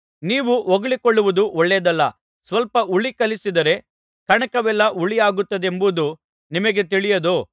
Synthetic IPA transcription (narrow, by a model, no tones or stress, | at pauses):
niːʋuɔɡɐɭikɔɭːuʋud̪uʔɔɭːed̪ɐlːɐ | sʋɐlpɐʔuɭikɐlisid̪ɐɾe̞ | kɐɳɐkɐʋɛlːɐʔuɭijaːɡut̪ːɐd̪e̞mbud̪u | nimɐɡe̞t̪̬iɭijɐd̪oː